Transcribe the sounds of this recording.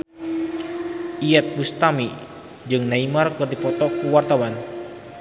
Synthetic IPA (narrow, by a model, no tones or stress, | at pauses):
ʔiɛt̪̚bust̪ami | d͡ʒɨŋnaimarkɨrdipɔt̪ɔkuwart̪awan